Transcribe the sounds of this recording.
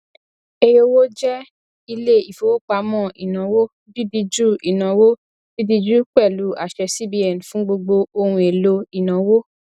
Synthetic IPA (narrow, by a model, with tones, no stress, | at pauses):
e˧jo˧wo˦d͡ʒɛ˦ | i˧le˦˨i˨fo˨˦wo˦k͡pa˧mɔ̃˦˨ḭ˨nã˨˦wo˦ | bi˦di˧d͡ʒu˦i˨nã˨˦wo˦ | b̥i˦bi˧d͡ʒu˦k͡pɛ˦˨lu˨˦a̰˦˨ʃɛ˧si˦bi˧˦ɛ˨n˨fũ˨˦ɡ͡bo˧ɡ͡bo˧o˧hũ˧e˨lo˧i˨nã˨˦wo˦